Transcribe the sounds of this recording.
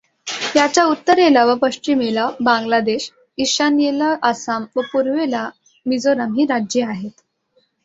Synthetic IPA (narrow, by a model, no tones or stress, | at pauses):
t̪jat͡ɕjaut̪ːəɾelaʋəpəʂt͡ɕimelabãŋɡlad̪eɕ | iɕanjelaʔːsamʋəpuɾʋela | mid͡zoɾamɦiːɾad͡ʑjeaɦet̪